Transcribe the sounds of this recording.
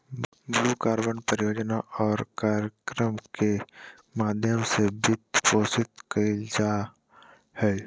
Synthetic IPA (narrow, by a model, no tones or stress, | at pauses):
bluːkaːɾbəɳpəɾɪjoːd͡ʒnaʔɔːɾkaːɾjəkɾəmke | maːd̪ʱjəmsebɪt̪poːsɪt̪kəd͡ʒaː | hɛː